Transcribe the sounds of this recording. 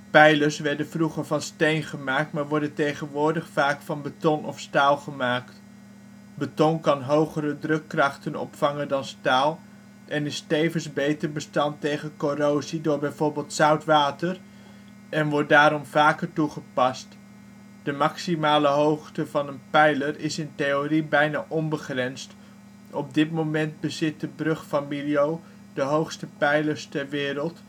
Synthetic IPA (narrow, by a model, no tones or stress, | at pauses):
pɛjləɹsʋɛɹdənvruχəɹvɑnstejnχəmaːk̚tmaːɹʋɔɹdəntejχənʋʊːɹdəχfaːkfɑnbətɔnɔ̰fstaːlˠχəmaːkt | bətɔŋkɑnɦowχərədrɵkːrɑχtənɔ̰pfɑŋəndɑnstaːlˠ | ʔɛnɪstejvənzbejtəɹbəstɑntejχənkorowzidʊːɹbɛjvoːɹbeːlˠtsʌwtʋaːtər | ɛnʋɔɹt̚daːɾɔmvaːkəɹtuχəpɑst | d̥əmɑksimaːləɦowχtəvɑnənpɛjlərɪsɪnteoribɛjnaːʔɔmbəχrɛnst | ɔb̚dɪtmowmɛnd̚bəzɪt̚dəbrɵχfamiliow | dəɦowχstəpɛjləɹstɛɹʋɪːɾəlˠt